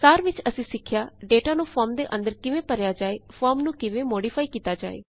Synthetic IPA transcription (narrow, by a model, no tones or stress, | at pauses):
saːɾʋɪt͡ʃəsĩːsɪkʰːjaːɖeːʈaːnũːpʰɔːɾmd̪eːʔənd̪əɾkɪʋẽːpəɾjaːd͡ʒaːeːpʰɔːɾmnũːkɪʋẽːmoːɖiːpʰaːikiːt̪aːd͡ʒa̰ːḛː